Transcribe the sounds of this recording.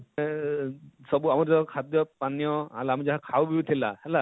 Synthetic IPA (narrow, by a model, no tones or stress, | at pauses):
sɔbuamuɾzɔkʰad̪jɔpanijɔa̰luamizaɦakʰawbiut̪ʰilahɛla